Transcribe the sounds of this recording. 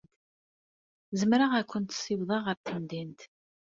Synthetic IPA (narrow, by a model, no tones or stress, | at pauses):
zəmɾaʁækʷːənt̪siwðˤɑʁəɾt̪ənd̪int̪